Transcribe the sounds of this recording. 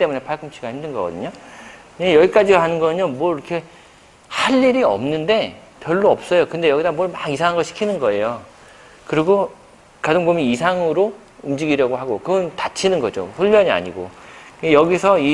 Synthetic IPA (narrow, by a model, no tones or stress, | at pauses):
it͈e̞mune̞pʰaɭkʰɯmt͡ɕʰiɡahimdɯnɡʌɡʌdɯɲo | ɯɲejʌɡik͈ad͡ʑiɾoɦanɯnɡʌɲomwʌɾiʌkʰe̞ | haʎːiɾiʌ̰mnɯnde̞ | pjʌɭːoʌp̚s͈ʌjokɯnde̞jʌɡidamwʌɭmaɡis̬ʰaŋɦanɡʌɭɕʰi̥kʰinɯnɡʌe̞jo | kɯɾiɡo | kadɯŋbomiisʰaŋɯɾo | umd͡ʑiɡiɾjʌɡoɦaɡokɯɡʌntat͡ɕʰinɯnɡʌ̰d͡ʑo̰ɸuʎːʌɲia̰ɲiɡo̰kɯɡejʌɡisʰʌi